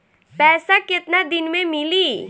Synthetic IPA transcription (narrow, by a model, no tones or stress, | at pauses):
pɛːsakɪt̪nad̪ɪnmẽmɪliː